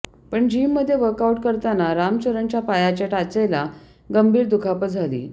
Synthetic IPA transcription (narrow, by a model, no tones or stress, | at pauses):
pəɳd͡ʑimːəd̪ʱːjeʋəɾkauʈkəɾt̪anaɾamt͡ɕəɾəɳt͡ɕjapajat͡ɕaʈat͡sela | ɡəmbʱiːɾd̪ukʰapəd͡zʱalḭː